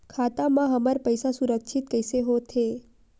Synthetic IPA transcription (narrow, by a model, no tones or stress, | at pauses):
kʰat̪amãɦəmaɾpəjsasuɾəkʃit̪̚kəjseɦot̪ʰe